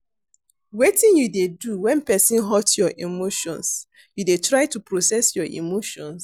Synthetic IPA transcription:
wetĩnjudeduwɛ̃npɛsĩnɦɔtjɔʔimoʃɔ̃ns | judetɹaɪtupɹosɛsjɔʔḭmoʃɔ̃ns

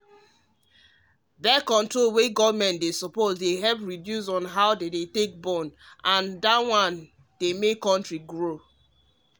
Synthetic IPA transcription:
bɛkɔ̃ntɹolweɡɔvmɛ̃ndesɔpozdeɦɛlpɹidjus̬ɔ̃nɦaʊdedetek̚bɔ̃nãndawãn | d̥emekːɔ̃ntɹiɡɹo

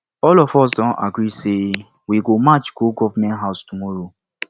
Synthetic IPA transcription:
ɔlɔfɔsdɔ̃na̰ɡɾise | wiɡomat͡ʃɡoɡɔvamɛ̃ntɦaʊstumɔɾo

